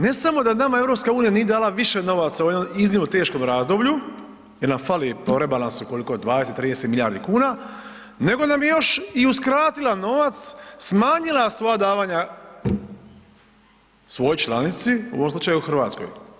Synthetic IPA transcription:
ne̞samo̞d̪anamae̞vɾo̞pskauːnijanijed̪aːlaʋiʃeno̞ʋat̪sauje̞d̪nomiznimnot̪eːʃko̞mɾaːzd̪obʎu | jeɾnamfalipoɾebalˠansuuko̞likod̪ʋaːd̪eset̪ːɾiːd̪e̞set̪milʎʲjaːɾd̪ikuːna | ne̞ɡo̞namjejo̞ʃiuskɾaːt̪ilano̞ʋat̪ssmaːɲilasʋo̞jad̪aːʋaːɲa | sʋo̞jot͡ʃlanit̪siṵoomslut͡ʃajuuxr̩ʋaːt̪sko̞̰j

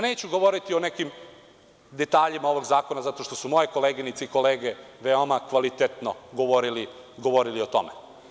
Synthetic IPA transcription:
neːt͡ɕuɡo̞ʋo̞ɾit̪ionekim | d̪et̪aːʎimao̞ʋoɡzaːko̞nazat̪o̞ʃt̪o̞sumojeko̞leːɡinit̪seiko̞leːɡeʋeomakʋalit̪et̪noɡo̞ʋo̞ɾili | ɡo̞ʋo̞ɾilio̞t̪o̞̰me

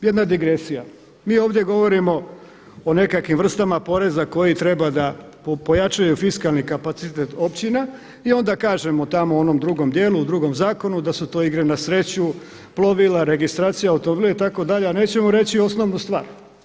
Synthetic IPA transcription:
jed̪nad̪iɡɾesija | miːo̞ːʋd̪je̞ɡo̞ʋo̞ɾimo̞ | one̞kakʋimʋr̩st̪amapo̞ɾe̞zako̞jit̪ɾe̞bad̪a | pojat͡ʃajufiskalˠnikapat̪sit̪et̪o̞pt͡ɕina | io̞nd̪akaːʒe̞mot̪amoono̞md̪ɾuɡo̞md̪je̞ːlˠuud̪ɾuɡo̞mzaːko̞nud̪asut̪o̞ːiɡɾe̞nasɾe̞t͡ɕu | plˠoʋilaɾe̞ɡist̪ɾaːt̪sijaaut̪omobiːleit̪ako̞d̪aʎeane̞ːt͡ɕe̞moɾe̞t͡ɕio̞snoʋnust̪ʋa̰ːɾ

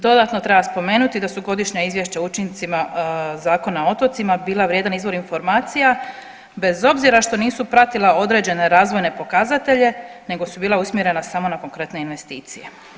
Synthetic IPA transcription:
d̪o̞d̪at̪no̞t̪ɾe̞baspo̞me̞ːnut̪id̪asuɡo̞d̪iʃɲaizʋje̞ʃt͡ɕaut͡ʃint̪simazaːko̞nao̞t̪o̞t̪simabiːlˠaʋɾjed̪anizʋo̞ɾinfo̞ɾmaːt̪sija | be̞zo̞bziɾaʃt̪o̞niːsupɾat̪ilˠao̞d̪ɾe̞ːd͡ʑe̞ne̞ɾaːzʋo̞jne̞po̞kazat̪e̞ʎe̞ne̞ɡo̞subiːlˠausmjeɾe̞nasamo̞nako̞ŋkɾe̞t̪ne̞inʋe̞st̪iːt̪sije̞

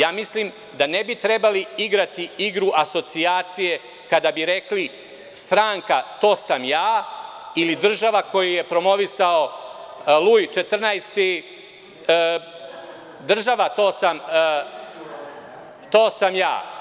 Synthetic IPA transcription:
jaːmislim | d̪anebit̪ɾebaliiɡɾat̪iiɡɾuʔaso̞t̪siaːt̪sije̞ | kad̪abiɾe̞kli | st̪ɾaːŋkat̪o̞ːsamjaː | ilid̪r̩ʒaʋako̞jije̞pɾo̞mo̞ʋisao̞ | lˠuːjt͡ʃe̞t̪r̩najst̪i | d̪r̩ʒaʋat̪o̞ːsam | t̪oːsamja̰ː

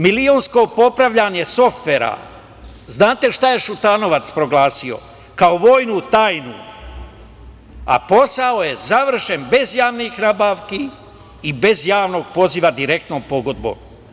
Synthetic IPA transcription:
milionsko̞po̞pɾaʋʎaɲe̞so̞ft̪ʋe̞ɾa̰ | znaːt̪eʃt̪aje̞ʃut̪ano̞ʋat̪spɾo̞ɡlaːsio̞̰ | kaoʋoːjnut̪aːjnṵ | a̰po̞sao̞je̞zaʋr̩ʃe̞nbe̞zjaːʋnixnaːbaːʋki | ibe̞zjaːʋno̞ːɡ̥̚po̞ziʋad̪iɾek̚t̪nompo̞ɡo̞d̪̚bo̰m

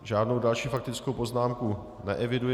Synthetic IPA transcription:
ʒaːdnowdalʃiːfak̚t̪ɪt͡skowpo̞znaːmku | nɛ̰ʔɛvɪduj

